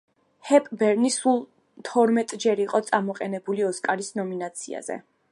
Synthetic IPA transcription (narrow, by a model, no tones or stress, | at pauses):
hɛpʼbɛɾnisulˠ | t̪ʰɔɾmɛt̪ʼd͡ʒɛɾiqʼɔt̪sʼamɔqʼɛnɛbuliɔskʼaɾisnɔminat̪sʰia̰zɛ̰